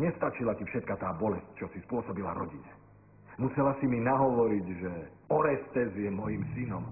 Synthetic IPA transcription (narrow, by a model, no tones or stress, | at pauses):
ɲɛst̪at͡ʃilacifʃɛt̪̚kat̪aːbɔlɛsc̚t͡ʃɔsispʊɔsɔbila̰ɾɔ̰ɟiɲɛ | musɛlasiminaɦɔʋɔɾiɟʒɛ | ɔɾɛst̪ɛzjɛmɔjimsinɔm